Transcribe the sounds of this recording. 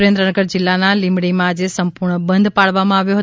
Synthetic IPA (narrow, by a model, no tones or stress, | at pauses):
ɾẽnd̪ɾənəɡəɾd͡ʒɪlːanalɪ̃mɽimãd͡ʒesəmpʊɾɳəbə̃nd̪ʱpaɭʋamãaʋjoɦə